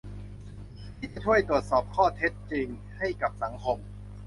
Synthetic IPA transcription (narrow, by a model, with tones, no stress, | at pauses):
tʰiː˥˩t͡ɕa˨˩t͡ɕʰu˥˩əjt̪ɾu˨˩ət̪̚sɔː˨˩p̚kʰɔː˥˩t̪ʰe˦˥t̪̚t͡ɕi˧ŋ | ha˥˩jka˨˩p̚sa˩˦ŋkʰo˧m